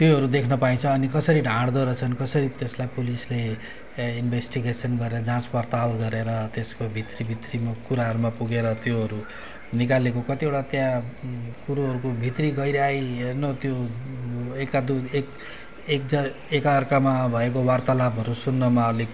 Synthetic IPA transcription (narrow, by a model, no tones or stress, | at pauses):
t̪joɦʌɾud̪ekʰnʌpaĩt͡sʰʌːnikʌsʌɾiɖʱãɽd̪ʌɾʌt͡sʰʌnkʌsʌɾit̪eslajpulisle | inbʱesʈiɡesʌnɡʌɾeɾʌd͡zãt͡spʌrt̪alɡʌɾeɾʌt̪eskobʱit̪ribʱit̪rimakuɾaɦʌɾumapuɡeɾʌt̪joɦʌɾu | nikalekokʌt̪ieʈat̪jãkuɾoɦʌɾukobʱit̪riɡʌjɾeajɦernot̪jo | ekːad̪uek | ek̚d͡zʌ | ekarkamabʱʌekowart̪alabɦʌɾusunːʌmali